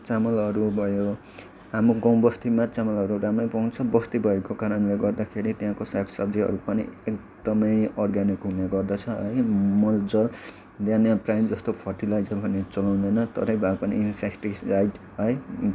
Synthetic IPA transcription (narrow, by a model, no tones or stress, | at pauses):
t͡samʌlʌɾubʱʌjo | ɦamoɡʌ̃w̃bʌst̪imat͡samʌlɦʌɾuɾamʌjpaunt͡sʰʌbʌst̪ibʱʌekokaɾʌnleɡʌrd̪akʰeɾit̪jɦãkosakʰsʌbd͡ziɦʌ̰ɾupʌnḭek | d̪ʌmʌjʌrɡanikɦuneɡʌrd̪ʌt͡sʰʌɦʌjmʌld͡zʌl | d̪ãnjãprajnd͡zʌst̪opʰʌrʈilajd͡zʌbʱʌnet͡sʌlaw̪̃d̪ʌjnʌt̪ʌ̰ɾʌjbʱapʌnḭinsekʈiajɖ | ɦʌj